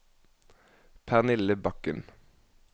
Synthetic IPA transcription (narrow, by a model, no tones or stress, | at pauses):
pʰæʁnɪləbɑkən